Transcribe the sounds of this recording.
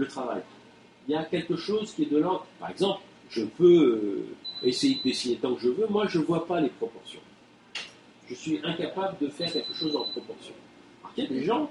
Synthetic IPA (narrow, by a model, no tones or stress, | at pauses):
lət̪χava̰j | iljakʲɛlkəʃozkʲiɛd̪əlɑ̃paʁɛɡzɑ̃pl | ʒ̥əpø | esejed̪əd̪esinet̪ɑ̃kəʒəvømwaʒəvwapalepχɔpɔʁsjɔ̰̃ | ʒ̥əsɥiʔɛ̃kapabləd̪əfɛʁkʲɛlkəʃozɑ̃pχɔpɔʁsjɔ̃ | paʁk̪ɛd̪eʒɑ̃